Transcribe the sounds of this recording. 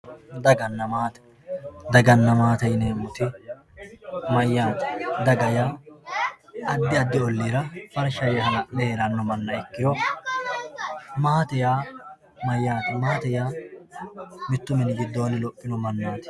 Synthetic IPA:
d̪ɐɡɐnːɐmaːt̪ɛ̥ | d̪ɐɡɐnːɐmaːt̪ɐjneːmʊt̪ɪ | mɐjːaːt̪ɛ̥d̪ɐɡɐjaː | ɐd̪ːɪɐd̪ːɪɔlːiːɾɐfɐɾʃɐjɛhɐnɐʔlɛeːɾɐnːɔmɐnːɐɛkːɪjɔ | maːt̪ɛjaː | mɐjːaːt̪ɪmaːt̪ɛjaː | mɪt̪ːʊmɛnɪɡɪd̪ːoːnɪlɔpʼːɪnɔmɐnːaːt̪ɪ̥

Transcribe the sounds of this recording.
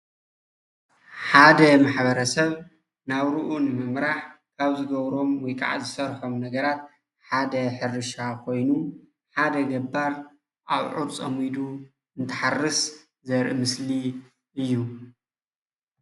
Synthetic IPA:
ħad̪ɐmaħbɐɾɐsɐβ | naβɾɨʔunɨmɨmɾaħkʰaβzɨɡɐβɾo̞mwɔjkʼa̰ʕzɨsɐɾħomnɐɡɐɾat̪̚ | ħad̪ɐħɨɾɨʃakʰo̞jnu | ħad̪ɐɡɐbːaɾ | ʔaβʕuɾt͡sʼɐmid̪u | ɨnt̪ʰɐ̥ħarːɨs | zɐɾʔɨmɨsli | ɨjːu

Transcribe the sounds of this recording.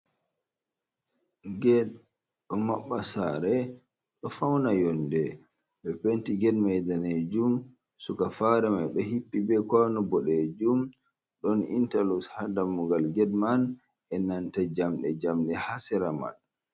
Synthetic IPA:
ɡɛd | ɗɔmaɓːasaɾɛ | ɗɔfawnajɔndɛ | ɓɛpentiɡɛdmajdaned͡ʒum | sukafaɾɛmajɓɛhipːibɛkanɔbɔɗɛd͡ʒum | ɗɔnḭntalushadamːuɡalɡɛdman | ɛnantad͡ʒamɗɛd͡ʒamɗɛhasɛɾama̰n

